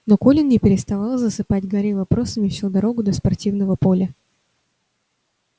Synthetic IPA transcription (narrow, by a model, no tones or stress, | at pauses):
no̞ko̞lʲɪnnʲɪpʲɪɾʲɪst̪ɐvɑlˠzəsɨpadʲɡɐɾʲevɐpɾo̞səmʲɪfsʲud̪ɐɾo̞ɡʊd̪əspɐrtʲivnəvəpo̞lʲə